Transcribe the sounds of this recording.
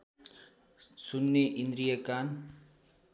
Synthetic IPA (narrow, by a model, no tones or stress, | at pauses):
sunːeʔind̪ɾijakaːn